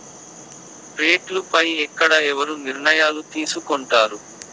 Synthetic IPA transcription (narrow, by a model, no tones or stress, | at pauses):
pɾeːʈlupɐjɛkːɐɽɐɛʋɐɾuniɾɳɐjaːlut̪iːsukɔɳʈaːɾu